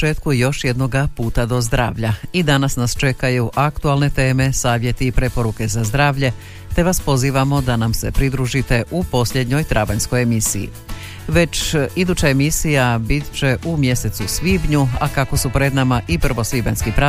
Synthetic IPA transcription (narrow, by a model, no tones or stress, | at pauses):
t͡ʃe̞ːt̪kujo̞ʃje̞d̪no̞ɡapuːt̪ad̪o̞zd̪ɾa̰ːʋʎaid̪anasnast͡ʃe̞kajuʔakt̪ualne̞t̪e̞ːme̞saːʋje̞t̪iːpɾe̞po̞ɾuke̞zazd̪ɾaːʋʎe̞ | t̪e̞ʋaspo̞ziːʋamo̞d̪anamse̞pɾid̪ɾuʒit̪e̞ʔupo̞sʎʲed̪ɲo̞jt̪ɾabaɲsko̞jemisḭjḭ | ʋe̞t͡ʃid̪ut͡ɕaemisijabit̪ʲt͡ʃe̞ʔumje̞se̞t̪susʋiːbɲua̰kako̞supɾe̞d̪namaʔipr̩ʋo̞sʋiːbenskipɾa